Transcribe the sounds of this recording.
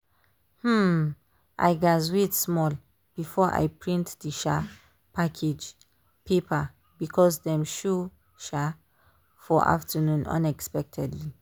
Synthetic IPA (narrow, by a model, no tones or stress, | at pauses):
hm̩ | ʔa̰jɡazwitsmɔl | b̥ifɔʔa̰jpɹĩntdiʃa | pʰakʰed͡ʒ | pʰepʰa | bikʰɔsdɛ̃mʃu | ʃa | fɔʔa̰ftʰənũnã̰nɛkspɛk̚tʰɛdli